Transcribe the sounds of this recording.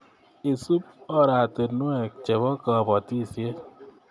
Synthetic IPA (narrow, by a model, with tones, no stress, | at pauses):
e˨su˦pɔ˦ɾa˨te˨nu˦ɛ˨k̚t͡ʃe˨bɔ˦kɔ˨bɔ˨ti˦˨sje˦